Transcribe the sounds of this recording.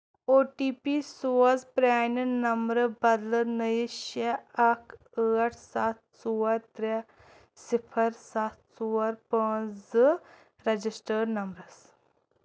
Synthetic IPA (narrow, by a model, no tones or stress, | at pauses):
oːʈiːpisoːɐzpɾaːnnɐmbɾəbɐd̪lənəjiʃɐɐkʰ | əːɐʈʰsat̪̚suːɐɾt̪ɾe | sipʰɐɾsat̪ʰsuːɐɾpɐ̃ːz | ɾɐd͡ʒisʈəːɾnɐmbɾɐs